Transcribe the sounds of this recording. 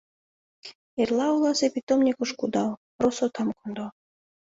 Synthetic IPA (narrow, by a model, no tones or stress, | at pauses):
erlˠɑulˠɑzepit̪omnʲikŏʃkud̪ɑpɾosot̪ɑmkond̪o